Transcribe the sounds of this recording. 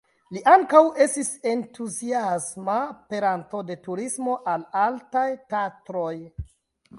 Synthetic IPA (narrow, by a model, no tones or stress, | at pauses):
liʔaŋkawe̞stise̞ntʰuziasmape̞ɾanto̞de̞tuɾismo̞ʔalaltajtatɾo̞j